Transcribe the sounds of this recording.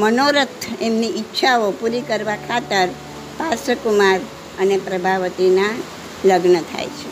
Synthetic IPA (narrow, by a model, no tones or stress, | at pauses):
mənoɾət̪ʰːemniʔɪtːʃʰaopuɾikəɾʋakʰat̪əɾ | pasəkumaɾ | ənepɾəbʱaʋət̪ina | ləɡnət̪ʰa̰jt͡ʃʰe